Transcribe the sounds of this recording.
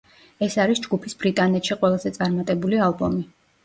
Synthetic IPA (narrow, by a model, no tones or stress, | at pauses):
ɛsaɾisd͡ʒɡupʰisb̥ɾit̪ʼanɛt̪ʃiqʼwɛlˠazɛt̪sʼaɾmat̪ʼɛbulialˠbɔmi